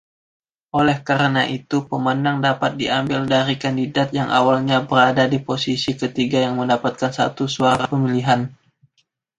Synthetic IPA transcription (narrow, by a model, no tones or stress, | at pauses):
ʔolɛhkaɾənaʔit̪upəmənaŋdapat̪̚diambɪldaɾikandidat̪̚jaŋʔa̰walɲabəɾadadiposisikət̪iɡajaŋməndapat̪̚kansa̰t̪usuaɾapəmiliɦan